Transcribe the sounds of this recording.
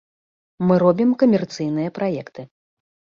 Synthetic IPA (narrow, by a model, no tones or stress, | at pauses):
mɨɾɔbʲimkɐmʲɛrt̪sɨjnɨjɐpɾajɛkt̪ɨ